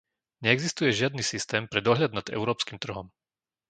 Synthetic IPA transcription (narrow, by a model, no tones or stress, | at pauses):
ɲɛːɡzist̪ujɛʒɪad̪nisist̪ɛːmpɾɛd̪ɔɦʎad̪nad̪ɛ̰ʊɾɔːpskimt̪r̩ɦɔm